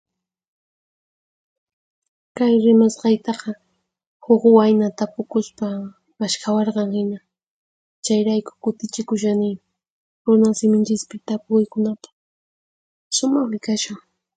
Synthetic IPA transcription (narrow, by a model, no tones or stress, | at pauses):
kajɾɪmasqɑjt̪ɑqɑ | hoχwajnat̪apʊkʊspa | maʃkʰawɑɾqɑŋhɪna | t͡ʃajɾajkʊ̥kʊt̪ɪt͡ʃɪkʊʃ̬anɪmɪ | ɾʊnasɪmɪnt͡ʃɪspɪt̪apʊʊjkʊnapɑ̥ | ʃʊmɑχwɪkaʃʊŋ